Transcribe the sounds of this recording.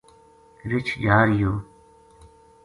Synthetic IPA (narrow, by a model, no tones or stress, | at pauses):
ɾɪt͡ʃjaːɾjoː